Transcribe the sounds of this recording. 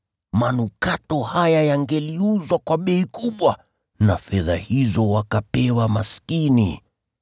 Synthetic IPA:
manukatɔhajajaŋɡɛliuzwakwaɓɛikuɓwa | nafɛða̰hizɔwakapɛwamaskinḭ

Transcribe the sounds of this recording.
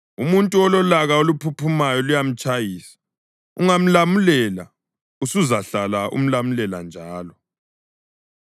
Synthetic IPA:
umuntʼuɔlɔlaɣaolupʰupʰumajɔlujam̩t͡ʃʼajiːsḁ | uŋam̩lamulɛla̰ | usuzaɬalaʔṵm̩lamulɛla̰nd͡ʒʱaːlɔ

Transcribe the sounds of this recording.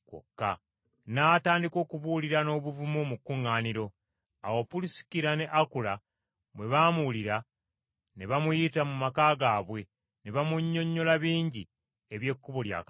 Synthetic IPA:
ko̰kːa̰ | naːtaːndiko̞ːkuβuliɾano̞ːβuvumomukːuŋːaːniɾo̞ | a̰wo̞pulisi̥kiɾane̞ʔakula | mwe̞βamuliɾa | ne̞βamujitamumakaːɡaːβwe̞ | neβamuɲːo̞ɲːo̞laβiːɲɟi | e̞βje̞kːuβolja̰ka

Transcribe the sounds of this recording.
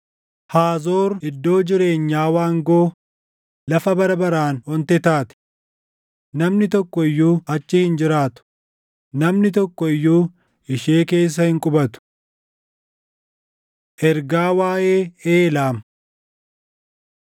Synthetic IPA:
haːzo̞ːɾɪd̪ːo̞ːd͡ʒɪɾe̞ːɲːaːwaːŋɡoː | lɐfɐbɐɾɐbɐɾaːnɔnt̪ɛt̪aːt̪ɪ̥ | nɐmnɪt̪̬ɔkːɔɪjːuːɐt͡ʃːɪhɪnd͡ʒɪɾaːt̪ʊ̥ | nɐmnɪt̪ɔkːɔɪjːuː | ɪʃeːke̞ːs̬ːɐhɪŋkʼʊbɐt̪ʊ̥ | ʔɛɾɡaːwaːjʔe̞ːeːlaːm

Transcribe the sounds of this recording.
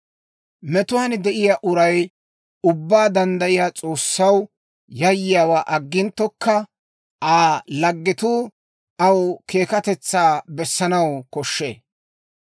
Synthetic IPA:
mɛt̪ʊwaːnd̪ɛʔɪjaʔʊɾɐj | ʊbːaːd̪ɐnd̪ɐʔɪjaːt͡sʼo̞ːsːɐw | jɐjːɪjaːwaːʔɐɡːɪnt̪ːɔkːɐ | ʔaːlɐɡːɪt̪uː | ɐwkʰe̞ːkɐt̪ɛt͡sːaːbɛsːɐnɐwkɔʃːḛː

